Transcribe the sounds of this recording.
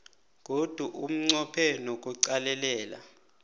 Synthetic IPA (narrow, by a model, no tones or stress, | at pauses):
k̬od̥ʱuʔum̩ŋ͡ǀɔpʰɛnok̬uǀalɛlɛːla̰